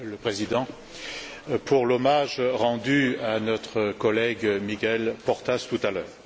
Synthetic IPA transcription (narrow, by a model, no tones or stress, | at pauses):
ləpχezid̪ɑ̃ | pʰuʁlɔmaʒʁɑ̃d̪yanɔt̪χəkɔlɛɡmiɡʲɛlpɔʁt̪ast̪ut̪alœːʁ